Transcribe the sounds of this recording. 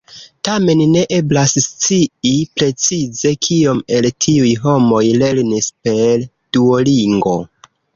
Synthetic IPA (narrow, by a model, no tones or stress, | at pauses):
tame̞nne̞ʔe̞blasst͡siipɾe̞t͡size̞kʰio̞me̞ltʰiujɦo̞mo̞jle̞ɾnispe̞ɾ | d̥uoliŋɡo̞̰